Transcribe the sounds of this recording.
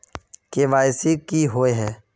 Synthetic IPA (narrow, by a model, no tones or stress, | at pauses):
keːʋaːɪsikiːɦoːeɦɛː